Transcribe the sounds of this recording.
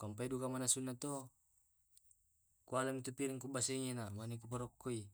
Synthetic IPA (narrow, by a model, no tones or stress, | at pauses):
kampaidukamanasunːat̪o | kualamit̪upiɾiŋkubaseŋenamanek̬up̬aɾɔkːoi